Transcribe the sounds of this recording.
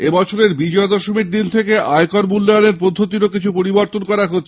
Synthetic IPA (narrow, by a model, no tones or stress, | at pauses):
ebɔt͡ɕʰoɾeɾbid͡ʑɔed̪ɔʃomiɾd̪int̪ʰekeʔaekɔɾmulːeoneɾpod̪ʱːot̪iɾokit͡ɕʰupoɾiboɾt̪onkɔɾaɦotːʰ